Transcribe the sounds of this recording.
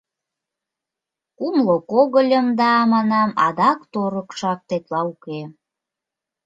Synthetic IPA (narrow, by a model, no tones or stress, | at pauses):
kumlokoɣəlʲəmd̪ɑmɑnɑmɑ̰d̪ɑkt̪oɾəkʃɑk̚t̪et̪lɑuke